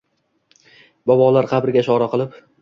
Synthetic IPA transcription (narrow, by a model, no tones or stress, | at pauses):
bɒbɒlˠaɾqʰɑbɾɪɡʲaʃɒɾaqɨlˠɪp